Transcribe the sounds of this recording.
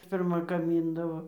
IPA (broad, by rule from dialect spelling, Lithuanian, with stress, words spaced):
pʲɪrˈmɐ ɡɐˈmʲiːndɐʋoː